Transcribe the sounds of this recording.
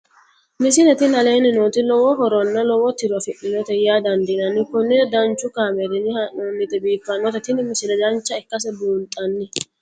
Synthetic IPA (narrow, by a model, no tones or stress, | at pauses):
mɪs̬ɪnɛt̪ɪnɐle̞ːnɪnoːt̪ɪlɔwɔɦɔɾɔnːɐlɔwɔt̪ɪɾɔfɪʔːɪnɔt̪ɛjaːd̪ɐnd̪ɪnɐnːɪkʊnːɛd̪ɐnt͡ʃːʊkaːmɛɾɪnɪhɐnɔnːɪt̪ɛbiːfːɐnːɔt̪ɛt̪ɪnɪmɪsɪnɛd̪ɐnt͡ʃːɐɛkːɐs̬ɛbuːnt̪ʼɐnːɪ